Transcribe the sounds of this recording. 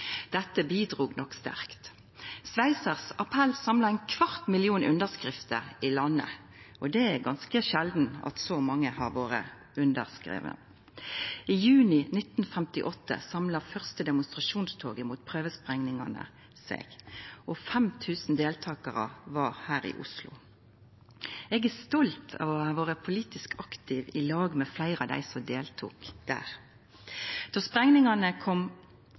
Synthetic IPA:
d̪̥ɛt̪ːəbiːd̪ʁuːɡnɔkst̪æ̰ʁkt̪ | sʋæɪsəʁsɑpʰɛlsɑmlɑɛɪnkʰʋɑʁt̪mɪlɪuːnʔʉ̰nd̪əʁskʁɪft̪əɪlɑnːə̰ | ʔɔd̪ɛæɡɑnskəʃɛld̪n̩ɑ̰t̪sɔmɑŋːəhɑ̰ʁʋoːʁə̰ | ʉnd̪əʁskʁḛːʋə̰ | iːjʉːnɪnɪt̪n̩fɛmt̪ɪʔɔt̪ːə̰sɑmlɑfœʁst̪əd̪ɛmʊnst̪ʁɑʃuːnst̪ʰoːɡəmuːt̪̚pʰʁøːʋəspʁɛŋnɪŋɑ̰nə̰ | sɛ̰ɡ̥ʔɔfɛmt̪ʰʉːsn̩d̪eːlt̪ʰɑːkɑʁə̰ʋɑʁhæːɾɪ̰ʔʊ̰slʊ̰ | ɛɡæst̪ɔlt̪ʰɑ̰ʋɔɑːʋoːʁəpʰʊliːt̪ɪskʰɑkt̪ɪʋɪlɑːɡmɛflæɪʁɑd̪æ̰ɪsɔmd̪eːlt̪ʰṵːkd̪̥æ̰ːʁ | d̪̥ɔspʁɛŋnɪŋɑnəkʰɔm

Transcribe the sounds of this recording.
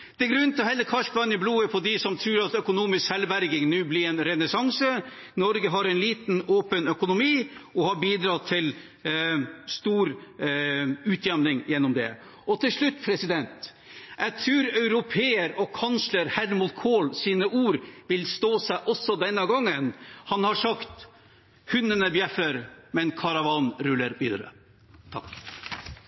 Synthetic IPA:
d̪̥ɛɡɾʉnt̪ʰɪlɔɦɛlːəkʰɑʂpʰlɑːnɪbluːəpʰɔd̪ɪsɔmt̪ʰɾʉːɾɑt̪œkʊnuːmɪskhɛlbæɾɡɪŋnʉːblɪɾɛnɾɛnəsɑŋsə | nɔɾɡəɦɑɾɛnliːt̪noːpənœkʊnʊmiːɔhɑbiːd̪ɾɑːt̪ʰɪl | st̪uːɾ | ʉːt̪ʰjɛmnɪŋjɛnːɔmd̪ɛ̰ | ɔt̪ʰɪlʂɭʉt̪ːpʰɾɛsɪd̪ɛnt̪ | ʔæɪt̪ʰɾʉːɾɑʉɾʊpʰeːəɾɔkʰɑnsləɾhæɾmuːt̪kʰoːlsiːnəʔuːɾʋɪlst̪oːsæɪʔɔsɔd̪ɛnːəɡɑŋːənhɑnhɑʂɑkt̪ | hʉnːənəbjɛfəɾmɛnkʰɑɾɑʋɑnɾʉlːəɾʋiːd̪ə̰ɾə̰ | t̪ʰɑk

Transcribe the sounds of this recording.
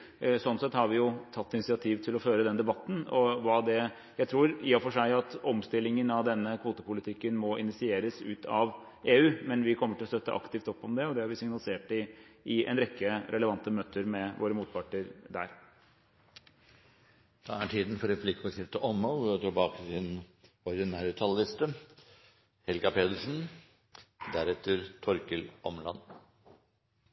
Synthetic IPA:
sɔnsɛt̪hɑɾʋɪjʊt̪ʰɑt̪ːɪnɪsɪɑt̪ʰiːʋt̪ʰɪlɔføːɾəd̪ɛnd̪ɛbɑt̪ːn̩ɔʋɑd̪ɛ | jæɪt̪ʰɾuːɾyːɑfɔʂæɪɑt̪ɔmst̪ɪlːɪŋənɑʋd̪ɛnːəkʰʋuːt̪əpʊlɪt̪ʰɪkːənmɔʔɪnɪsɪeːɾəsʉːt̪ʰɑʋ | eːʉːmɛnʋɪkʰɔmːəʈʰɪlɔst̪œt̪ːə̰ʔɑ̰kt̪ɪft̪ɔpːɔmd̪ɛɔd̪ɛhɑɾʋɪsɪŋnɑlɪseːʈɪʔɪʔɛ̰nɾɛkːəɾʔɛləʋɑnt̪əmøːt̪ʰəɾmɛʋʔo̰ːɾəmuːt̪̚pʰɑʈɳəɾd̪æ̰ːɾ | d̪̥ɑːæʈʰiːd̪n̩fɔɾɛpʰlɪkɔskɪft̪əʔɔmːɑlt̪ʰɔbɑːkəsɪn | ɔɾd̪ɪnæːɾət̪ʰɑlːɪst̪ə | hɛlɡɑpʰeːd̪əʂn̩ | d̪æɾɛt̪ʰːəɾt̪ʰɔɾkəlʔɔmlɑ̰n

